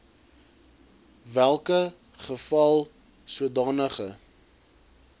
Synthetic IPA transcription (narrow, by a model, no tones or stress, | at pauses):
vælˠkə | χəfɐlˠ | suədɑːnəχə